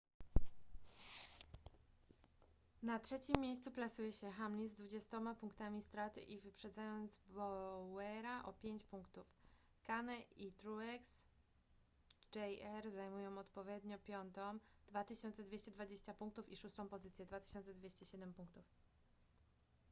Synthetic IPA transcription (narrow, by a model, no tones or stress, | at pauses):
natʂɛt͡ɕimʲːjejst̪suplasujɛɕɛxamɲizd̪vud͡ʑɛst̪ɔmapuŋkt̪amʲist̪ɾat̪ɘ̰ʔivɘpʂɛd̪zajɔnd̪zbɔwɛɾaʔɔpʲjeɲt͡ɕpuŋkt̪uf | kanɛit̪ɾuɛks | d͡ʒɛjɛɾzajmujɔ̃w̃ɔt̪pɔvʲjɛd̪ɲɔpʲjɔnt̪ɔmd̪̥vat̪ɘɕɔnt̪sɛd̪vʲjeɕt͡ɕɛd̪vad͡ʑeɕt͡ɕapuŋkt̪ufiʂust̪ɔ̃w̃pɔzɘt̪sʲjɛd̪vat̪ɘ̥ɕɔnt̪sɛd̪vʲeɕt͡ɕɛɕɛd̪ɛmpuŋkt̪uf